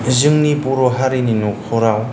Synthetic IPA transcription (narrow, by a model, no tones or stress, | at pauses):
zɯŋnibuɾɔɦaɾininukʰɔɾaw